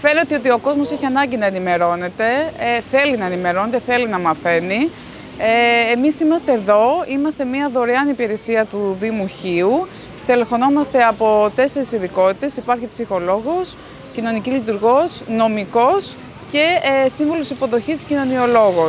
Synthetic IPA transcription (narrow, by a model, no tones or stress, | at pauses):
fe̞ne̞t̪eo̞t̪io̞ko̞zmo̞seçiɐnɐɲɟinɐenime̞ɾo̞ne̞t̪e̞θe̞linɐenime̞ɾo̞net̪e̞θe̞linɐmɐθe̞ni | misimɐst̪e̞ːðo̞imɐst̪e̞miɐðo̞ɾeɐnipiɾe̞siɐt̪uðimuçiu | st̪elefo̞no̞mɐst̪e̞ɐpo̞t̪e̞se̞ɾisiðiko̞t̪i̥t̪e̞sipɐɾçipsixo̞lo̞ɣo̞s | cino̞nicilit̪̬uɾɣo̞sno̞miko̞s | ce̞siɱvolosisipo̞ðo̞çisscino̞nio̞lo̞ɣo̞